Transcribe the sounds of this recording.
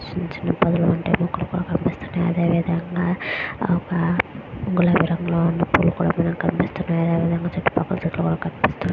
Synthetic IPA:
siɲt͡ʃinɐpɐd̪uluɐɳʈeːmukːulukuːɽa̰ːkɐmpist̪unːajɐ̰d̪eːʋid̪ɐŋɡaːɔkɐuɡulɐʋiɾɐŋɡlo̞ːunːɐpuːlukuːɽa̰ːmɐnɐmkɐmpist̪unːaːjɐd̪eːʋiːd̪ɐŋɡaːt͡ʃɐʈːi̥pɐkːɐlɐt͡ʃut̪ːlukuːɽaːkɐmpist̪unːa

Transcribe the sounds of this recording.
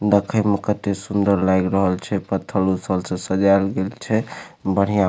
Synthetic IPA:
d̪əkʰəmekət̪esund̪əɾlajɡɾəɦəlt͡ʃʰɛpət̪ʰːəlusəlsə̃səd͡ʒalɡelt͡ʃʰɛbəɽ̤ija

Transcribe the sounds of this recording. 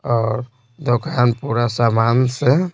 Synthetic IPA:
ɔːɾ | d̪okʰanpuɾasamanse

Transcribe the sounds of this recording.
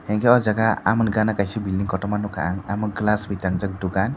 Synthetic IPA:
hɛŋkɛɔd͡ʒaɡaa̰mənɡanakajsibilɖiŋkɔʈɔmanukʰa̰ʔaŋamənklasbit̪aŋd͡ʒak̚ɖukan

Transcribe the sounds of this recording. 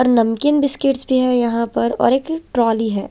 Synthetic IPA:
ɔːɾnɐmkɪnbɪskɪʈsbʱiɦɛjɐɦãpɐɾɔ̰ːɾeːkʈɾɔːliɦɛ̰ː

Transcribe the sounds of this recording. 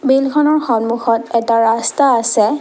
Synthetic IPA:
bilkʰɔnɔɹxɔnmuxɔtɛtaɹastaːsɛ

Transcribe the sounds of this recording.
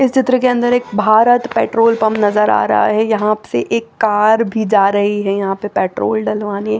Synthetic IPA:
ɪst͡ʃɪt̪ɾəkeɐ̃nd̪əɾeːk̚bʱaːɾət̪pɛːʈɾoːlpɐmnɐzəɾa̰ːɾɐ̰ɦa̰ɦɛjɐɦãsḛʔeːkːaːɾbʱid͡ʒaːɾɐɦiɦɛjɐɦãpepɛːʈɾo̰ːlɖɐlʋaːniɦɛː

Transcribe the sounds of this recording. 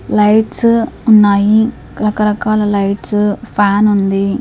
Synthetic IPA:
lɐjʈsunːaːji | kɐɾɐkɐɾɐkaːlɐlɐjʈspʰaːnund̪i

